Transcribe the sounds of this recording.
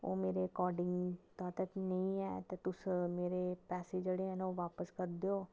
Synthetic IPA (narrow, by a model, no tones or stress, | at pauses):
o̰ːmeːɾekɔːɖɪŋɡt̪ɔːt̪əknəĩːɛːt̪eːt̪ʊsmeːɾeːpɛːseːd͡ʒeːɽeːɛːnoːʋaːpəskəɾd̪eːoː